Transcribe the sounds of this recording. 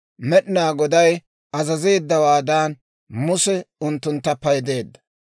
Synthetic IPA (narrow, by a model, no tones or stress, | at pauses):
mɛɗɪnaːɡɔd̪ɐj | ɐzɐze̞ːd̪ːɐwaːd̪aːn | mʊsɛʊnt̪ːʊnt̪ːɐpɐjd̪e̞ːd̪ːɐ